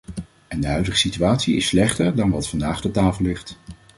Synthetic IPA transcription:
ɛndəɦœɥdəχə̥sityaːtsiɪ̰slɛχtəɹdɑnʋɑtfɑndaːχdətaːfəlˠlɪχt

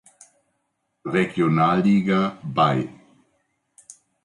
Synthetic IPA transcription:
ʁeɡjonaːlːiːɡabaj

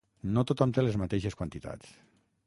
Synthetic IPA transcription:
not̪ot̪ɔmt̪elezmat̪eʃeskwant̪it̪a̰t͡s

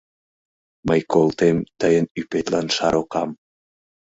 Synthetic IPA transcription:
məjkolˠt̪emt̪əjənypet̪lɑnʃɑɾʔokɑm

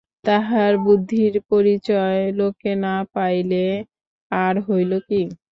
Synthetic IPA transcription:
t̪aɦaɾbud̪ʱːiɾpoɾit͡ɕɔelokenapajle | aɾɦojloki

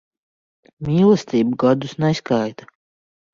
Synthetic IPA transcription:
mʲiːlˠɛst̪ʲiːbuɡɔd̪usnɛiskajt̪ḁ

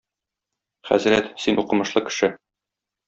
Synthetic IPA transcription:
χæ̰zɾæt̪sinʔuqɤ̆mɤ̆ʃlˠɤkɘ̥̆ʃɘ

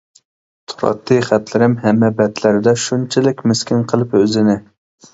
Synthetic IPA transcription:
t̪ʰu̥ɾɑ̰t̪ʰːɨjχæt̪lɪɾɪmɦɛmːɛbɛt̪læɾɪd̪ɛʃunt͡ʃʰɪlɪkʲmɪskʲɪnqʰəlˠɨpøzɪnɪ

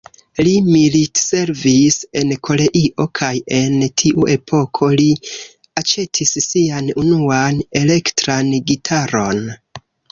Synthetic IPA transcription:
limilitse̞ɾvise̞nkʰo̞le̞ʔiʔo̞kʰaje̞ntʰiʔuʔe̞pʰo̞kʰo̞li | at͡ʃe̞tʰisːianunuane̞le̞ktɾanɡitʰaɾo̞n

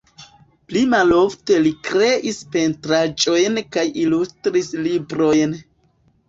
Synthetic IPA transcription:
plimalo̞fte̞likɾe̞ʔispe̞ntɾad͡ʒo̞jnkajilustɾislibɾo̞jn

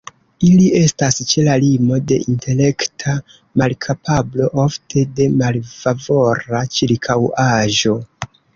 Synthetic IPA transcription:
ilie̞stast͡ʃe̞lalimo̞de̞ʔintʰe̞le̞ktʰa | malkʰapʰablo̞ʔoftʰe̞de̞malfavo̞ɾat͡ʃiɾkʰawaʒo̞

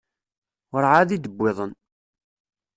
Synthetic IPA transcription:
ɾʕaðid̪əbːɪðˤən

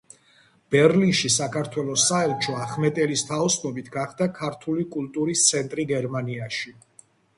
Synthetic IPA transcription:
b̥ɛɾlinʃisakʰaɾt̪ʰwɛlˠɔsaɛlt͡ʃʰɔaχmɛt̪ʼɛlist̪ʰaɔsʰnɔbit̪ʰɡaχd̪akʰaɾt̪ʰulikʼulˠt̪ʼuɾist̪sʰɛnt̪ʼɾiɡɛɾmaniaʃi

